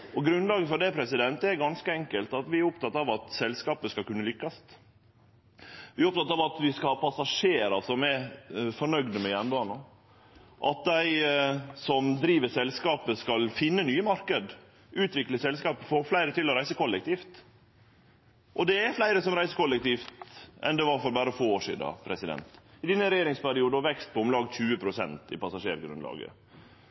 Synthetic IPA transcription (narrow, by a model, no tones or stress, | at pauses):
ɔɡɾʉnlɑːɡəfɔɖ̪ɛpʰɾɛsɪd̪ɛnt̪əɛɾɡɑnskəɛŋkəlt̪ɑt̪ʋɪæɾʊpt̪ɑt̪ːɑʋɑt̪sɛlskɑːpəskɑlkʉnːəlʏkːɑst̪ | ʋɪɾɔp̚t̪ʰɑt̪ɑʋɑt̪ʋɪskɑhɑːpʰɑsɑʂeːɾɑ̰sɔmɛfɔɳœɡd̪əmɛjænbɑːnɑ | ʔɑt̪̚d̪æɪsɔmd̪ɾiːʋəsɛlskɑːpəskɑlfɪnːənyːəmɑɾkəd̪ | ʉːt̪ʋɪkləsɛlskɑːpəfoːɾflæɪɾət̪ɪlɔɾæɪsəkʰɔlːɛk̚t̪iːft̪ | ʔɔd̪ɛːɾflæɪɾəsɔmɾæɪsəkʰɔlːɛk̚t̪iːft̪ɛ̰nd̪ɛʋɑɾfɔɾbæːɾəfoːoːʂḭːd̪ɑ̰pʰɾɛsɪd̪ɛ̰nt̪ɪd̪ɛnːəɾɛjeːɾɪŋspæɾɪuːd̪əɔʋɛkst̪̚pʰɔʊmlɑːɡc͡çʉːəpʰɾʊsɛ̰nt̪ɪ̰pɑsɑʂeːɾɡɾʉnlɑ̰ːɡə̰